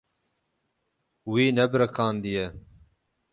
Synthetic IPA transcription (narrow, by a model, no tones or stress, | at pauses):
wiːnɛbɨɾɨkʰɑːnd̪ijɛ